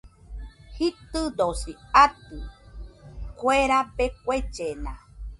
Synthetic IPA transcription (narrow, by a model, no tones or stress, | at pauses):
hit̪ɨd̪osiat̪ɨ | kʷeɾabek̚ʷet͡ʃenã